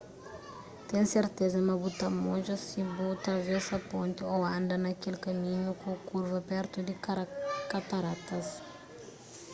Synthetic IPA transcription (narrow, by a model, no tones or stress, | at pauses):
t̪ẽseɾt̪ezɐmɐbut̪amoʒɐsibot̪ɾɐvɛsɐpõnt̪ɪoãnd̪ɐnɐkelkamĩɲukõkuɾvɐpɛɾt̪ud̪ɪkat̪aɾat̪ɐs